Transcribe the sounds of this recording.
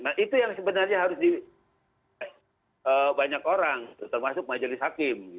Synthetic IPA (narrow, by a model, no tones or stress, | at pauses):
nahʔit̪ujaŋsəbənarɲaɦaɾʊsdi | əbaɲakoɾaŋɡit̪ut̪ərmasʊk̚mad͡ʒəlɪsɦhakɪmɡi